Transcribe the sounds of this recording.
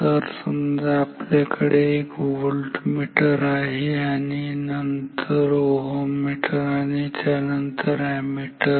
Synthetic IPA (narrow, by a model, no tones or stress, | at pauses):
əɾsəmd͡zaplekʰəɽeekʋolʈmiʈəɾaɦianinəntt̪ʰəɾoɦomiʈʰəɾanit̪ʰanənt̪ʰəɾamiːʈə